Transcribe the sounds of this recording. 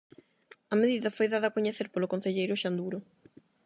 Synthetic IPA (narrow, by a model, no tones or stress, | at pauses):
ɐmeðiðɐfojðaðɐkoɲeθeɾpolokon̟θeʎejɾʊʃand̪uɾʊ